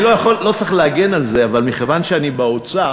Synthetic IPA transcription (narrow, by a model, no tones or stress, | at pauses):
lojaχolːo̞t͡sʁiχleaɡe̞nalze̞avalmiχevanʃeanibaot͡sa